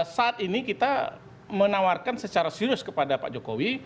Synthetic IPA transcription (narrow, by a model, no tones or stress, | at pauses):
saːt̪inikit̪a | mənawarkansət͡ʃaɾasiɾʊskəpadapa̰ʔd͡ʒokowi